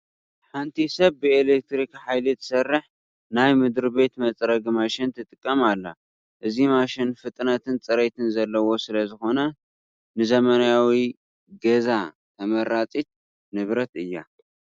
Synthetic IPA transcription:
ħant̪ʰisɐβːɨelek̚t̪ɾikħajlɨt̪ʰɨ̥sɐrːɨħ | najmɨd̪ɾɨbe̞t̪mɐt͡sʼɾɐɡmaʃɪnt̪ʰɨt̪ʼɨkʼːɐmalːa̰ | ʔɨzimaʃɪnfɨt̪ʼnat̪ʰɨnt͡sʼɨɾejt̪ʰɨnzɐlːɐwo̞sɨlɐzɨxo̞nɐ | nɨzɐmɐnjawi | ɡɐza | t̪ʰɐmɐɾat͡sʼit̪̚ | nɨβɾɐt̪ɨjːa̰

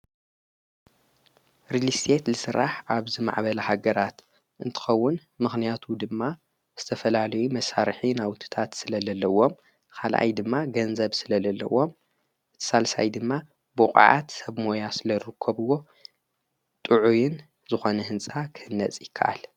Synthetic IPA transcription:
ɾilist̪ʰet̪lɨsɨɾːaħʔaβzima̰ʕbɐlɐhaɡɐɾat̪ | ʔɨnt̪ʰɨ̥xɐwːʊnmɨxnijat̪ʰud̪ɨmːa | z̥ɨt̪ʰɐfɐlalɐjumɐsaɾħinawt̪ʰɨ̥t̪ʰat̪sɨlɐzɐlːɐwo̞m | kʰalʔa̰jd̪ɨmːaɡɐnzɐβsɨlɐlɐlːɐ̰wːo̞m | ʔɨt̪ʰɨ̥salsa̰jd̪ɨmːa | bukʼʕa̰t̪sɐβmo̞jasɨlɐɾɾɨkʰːɐβɨwo̞ | t̪ʼɨʕujɪn | zɨxo̞nɐɦɨnt͡sʼakʰɨhɨnːɐt͡sʼjɪkʰːa̰ʔa̰l

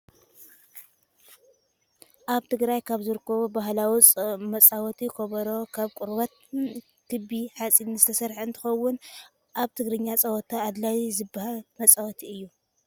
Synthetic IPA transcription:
ʔaβt̪ʰɨɡɾajkʰaβzɨɾɨkʰːɐβubaɦlawut͡sʼmɐt͡sʼawɔt̪ʰikʰoβɐɾo̞kʰaβkʷʼʊɾbɐt̪̚ | kʰɨbiħat͡sʼinzɨt̪ʰɐsɐɾħɨnt̪ʰɨ̥xɐwʊn | ʔaβt̪ʰɨɡɾɨɲːat͡sʼɐwɔt̪ʰaːd̪lajzɨbahalmɐt͡sʼawɔt̪ʰiɨjːu

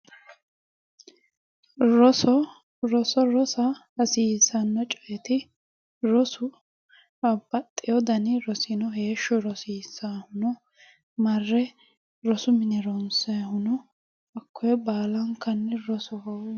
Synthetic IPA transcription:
ɾɔsɔ | ɾɔsɔɾɔsɐ | ɐsiːsɐnːɔt͡ʃʼɔʔɛt̪ɪ | ɾɔsʊ | bɐbːɐt̪ʼːɪjɔd̪ɐnɪɾɔsɪnɔɦeːʃːɔɾɔsiːsaːhʊnɔ | mɐrːɛ | ɾɔsʊmɪnɛɾɔnsɐhʊnɔ | ɐkʰːɔjɛbaːlɐŋkːɐnːɛɾɔsɔɦɔw

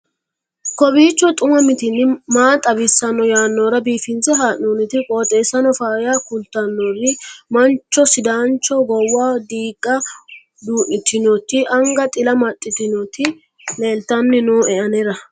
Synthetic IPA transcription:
kɔbiːt͡ʃːɔt̪ʼʊmɐmɪt̪ɪnːɪmaːt̪ʼɐbɪsːɐnːɔjaːnːɔːɾɐbiːfɪnt͡sɛɦaːʔoːnɪt̪ɪkʼoːt̪ʼeːsːɐnɔfaːjakʊlt̪ːɐnːɔrɪmɐnt͡ʃːɔsɪd̪aːnt͡ʃːɔɡɔwːaːd̪iːkʼːɐ | d̪uːʔɪt̪ːɪnɔt̪ːɪʔɐŋɡɐt̪ʼɪlɐmɐt̪ʼːɪt̪ɪnɔt̪ːɪ | leːlt̪ːɐnːɪnoːɛʔɐnɛɾɐ

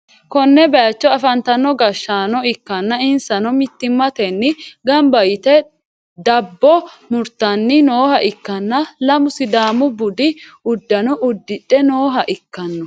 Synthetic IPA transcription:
kɔnːɛbɐjɐt͡ʃːɔɐfɐnt̪ɐnːɔɡɐʃːaːnɔɪkːɐnːɐɪnsɐnɔmɪt̪ːɪmːɐt̪ɛnːɪɡɐmbɐjɪt̪ɛ | d̪ɐbːɔmʊɾt̪ːɐnːɪnoːhɐʔɪkːɐnːɐlɐmʊsɪd̪aːmʊbʊd̪ɪʊd̪ːɐnɔʔʊd̪ːɪᶑɛnoːɦɐʔɪkːɐnːɔ

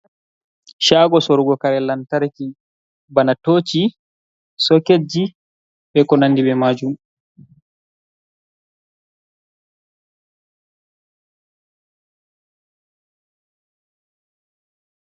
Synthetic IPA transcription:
ʃaːɡɔsɔɾuɡɔkaɾɛlantaɾki | banatoːt͡ʃi | sɔked͡ʒi | bɛkɔnandibɛmad͡ʒum

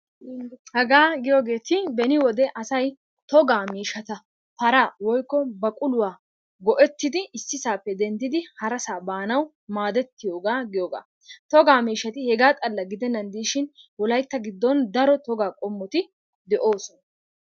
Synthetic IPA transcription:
hɛɡaːɡɪjoːɡe̞ːt̪ɪbɛnɪwɔd̪ɛʔɐsɐj | t̪ɔɡaːmiːʃɐt̪ɐ | fɐɾaːwɔjkːɔbɐkʼʊlʊwaː | ɡɔʔɛt̪ːɪd̪ɪʔɪsːɪsaːpːɛd̪ɛnd̪ɪd̪ɪhɐɾɐsaːbaːnɐw | maːd̪ɛt̪ːɪjoːɡaːɡɪjoːɡa̰ː | t̪ɔɡaːmiːʃɐt̪ɪhɛɡaːt̪ʼɐlːɐɡɪd̪ɛnːɐnd̪iːʃɪnwɔlɐjt̪ːɐɡɪd̪ːɔnd̪ɐɾɔt̪ɔɡaːkʼɔmːɔt̪ɪ | d̪ɛʔo̞ːsɔnɐ

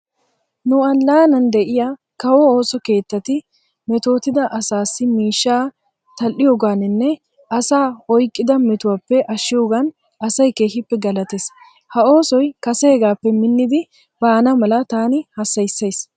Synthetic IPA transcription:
nʊɐnlaːnɐnd̪ɛʔɪja | kɐwɔoːsɔke̞ːt̪ːɐt̪ɪ | mɛt̪o̞ːt̪ɪd̪ɐʔɐsaːsːɪmiːʃːaː | t̪ɐlːɪjoːɡaːnɪnːɛ | ɐsaːɔjkʼːɪd̪ɐmɛt̪ʊwaːpːɛʔɐʃːɪjoːɡan | ɐsɐjke̞ːhɪpːɛɡɐlɐt̪eːs | hɐo̞ːsɔjkɐsɛhɛɡaːpːɛmɪnːɪd̪ɪ | b̥ɐːnɐmɐlɐt̪aːnɪhɐsːɐjsːɐjs

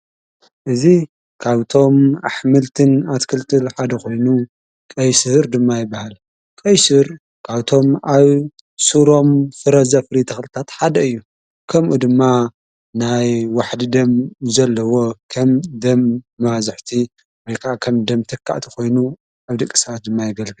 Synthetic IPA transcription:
ʔɨzi | kʰaβt̪ʰo̞maħmɨlt̪ʰɨnat̪kʰɨlt̪ʰʼɨlħad̪ɐko̞jnu | kʼɐjsɨɾd̪ɨmːajɪbːahal | kʼɐjsɨɾ | kʰaβt̪ʰo̞maβ | suɾo̞mfɨɾɐzɐfɨɾit̪ʰɐxlɨt̪ʰat̪ħad̪ɐɨjːu | kʰɐmʔud̪ɨmːa | najwaħd̪ɨd̪ɐmzɐlːɐwo̞kʰɐmd̪ɐmːazɨħt̪ʰi | wojkʰakʰɐmd̪ɐmt̪ʰɨkʰːa̰ʔt̪ʰi̥ko̞jnu | ʔaβd̪ɨkʼːi̥sat̪̚d̪ɨmːajɪɡɐlɡɨl

